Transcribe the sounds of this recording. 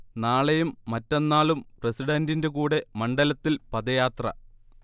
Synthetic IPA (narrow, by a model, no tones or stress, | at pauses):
naːɭejumːɐtːe̞nːaːɭumpresiɽɐndinde̞kuːɽe̞mɐɳɖɐlɐt̪ːilpɐðɐjaːt̪rɐ̰